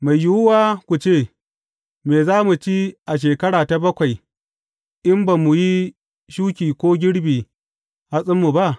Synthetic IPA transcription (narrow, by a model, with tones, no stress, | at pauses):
ma˨jjʊ˦wʊ˦waː˦kʷu˨t͡ʃeː˦˨ | meː˨zaː˦mu˨t͡ʃiː˦ʔa˨ʃ̬eː˨kɐ˦ɽaː˨ta˨bɐ˦kʷa˨j | ʔɪ˦mba˨mu˨ji˦ | ʃuː˦kʲiː˨kʷoː˦ɡʲɪ˦ɽbiː˨ | ha˦sʼɪ˦mːu˨ba˦ʔ